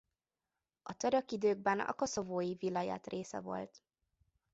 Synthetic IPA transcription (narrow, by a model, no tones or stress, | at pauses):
ɒt̪øɾøkid̪øːɡ̚bɛnɒ̰ko̞so̞voːjivilːɒja̰ːt̪rʔeːsɛ̰vo̞̰lt̪